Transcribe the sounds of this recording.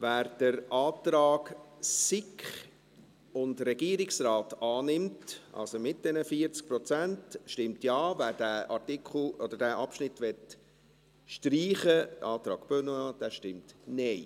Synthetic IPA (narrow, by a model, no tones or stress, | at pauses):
væːɾd̥əɾɑːt̪ɾɑːɡsɪkχ | ʊndɾɛɡ̥iːɾɪksrɑːtɑːnɪmtʔɑ̰lsomɪt̚d̥ɛnəfiəɾt͡sk̚pɾɔt͡sæntʃtɪmtjɑːvæːɾdæːʔɑɾtikʰχl̩ɔd̥̪əɾdæːʔɑpʃnɪtʋɛt | ʃtɾiːχəʔɑːtɾɑ̰ːɡ̥b̥ønəɑːd̪̥æːʃtɪmtnɛɪ